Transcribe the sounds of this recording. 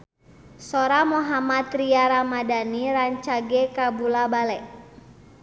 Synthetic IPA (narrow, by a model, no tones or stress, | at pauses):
sɔɾamɔɦamat̪ɾiaɾamadaniɾaɲt͡ʃaɡɛkabulabalɛʔ